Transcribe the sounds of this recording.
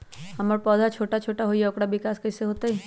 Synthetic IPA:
hɐməɾpɔːd̪ʱat͡ʃʰoːʈat͡ʃʰoːʈaɦoːijaʊkɽaʋɪkaːskɐɪseɦoːt̪aɦɛː

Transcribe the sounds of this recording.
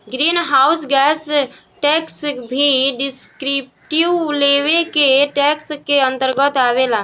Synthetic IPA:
ɡɾinɦausɡɛs | ʈɛksbʱiɖiskɾip̚ | ʈiʋleʋekeʈɛkskeənt̪əɾɡət̪aβela

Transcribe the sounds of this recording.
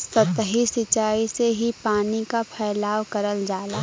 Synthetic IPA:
sɐt̪ɦisɪt͡ʃaːiseɦipaːnikapʰɛːlaːwkɐɾəld͡ʒaːlaː

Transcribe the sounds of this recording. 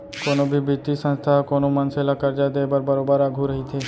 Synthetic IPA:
konobʱibit̪isə̃nst̪ʰakonomənselakəɾd͡ʒad̪ebəɾbəɾobaɾaɡʱũɾəɦit̪ʰe

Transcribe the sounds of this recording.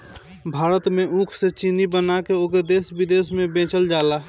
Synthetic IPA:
bʱaːɾət̪mẽʔũːkʰset͡ʃinibənakeoɡed̪eːsbɪd̪eːsmẽbẽːt͡ʃəld͡ʒaːla

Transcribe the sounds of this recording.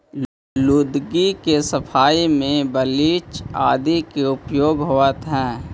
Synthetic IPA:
lʊd̪ɡikesəpʰaːimẽbəliːt͡ʃa̰ːd̪ikeʊpjoːɡɦoət̪ɦɛ̃ː

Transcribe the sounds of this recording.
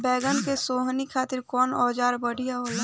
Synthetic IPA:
bɛːɡənkesoːɦnikʰaːt̪ɪɾkɔːnɔːd͡ʒaːɾbəɽ̤ʱijaɦoːlaː

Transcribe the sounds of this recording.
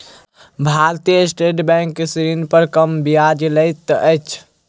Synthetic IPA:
bʱaɾt̪ijəsʈeʈbɛ̃ŋkːesɾinpəɾkəmbijad͡ʒləjt̪ːʔəjt͡ʃʰ

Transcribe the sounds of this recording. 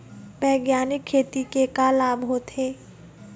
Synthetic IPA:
bɛːɡjaːnɪkʰːeːt̪ikekaːlaːbɦoːt̪ʰeː

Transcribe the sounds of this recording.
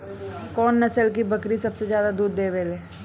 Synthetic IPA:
kɔːnːɐsəlk̬ibɐkɾisɐbsezjaːd̪ad̪uːd̪ːeːʋeːleː

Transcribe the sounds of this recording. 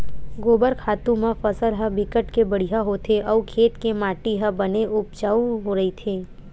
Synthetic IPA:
ɡoːbəɾkʰaːt̪ũmãfəsəɾɦə̃bɪkəʈkebəɽ̤ijaɦot̪ʰeʔəukʰeːt̪kemaːʈiɦəbəneʔʊp̚t͡ʃaːuɦoɾɐit̪ʰeː

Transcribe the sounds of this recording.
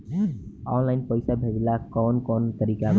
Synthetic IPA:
ɔnlaɪnpəjsabʱebilakɔnkɔnt̪əɾika

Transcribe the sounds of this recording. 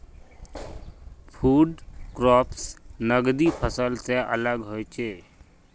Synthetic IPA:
pʰuːɖkɾɔːpʰsnəɡd̪ipʰəsəlseʔə̰ləɡɦoet͡ʃʰeː

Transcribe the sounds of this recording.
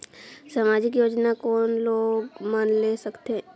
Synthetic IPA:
samaːd͡ʒɪkjoːd͡ʒnakɔːnloːɡmaːnlesəkt̪eɦ

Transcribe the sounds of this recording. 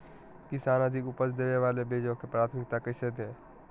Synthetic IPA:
kɪsaːnəd̪ʱɪkʊpəsd̪eːneʋaːlebʱeːd͡ʒõkepɾaːt̪ʰmɪk̚t̪akɪʃət̪ɦɛː

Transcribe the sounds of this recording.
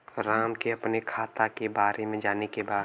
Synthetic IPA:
ɾaːmkeɐpnekʰaːt̪akebaːɾemẽd͡ʒaːnekebaː

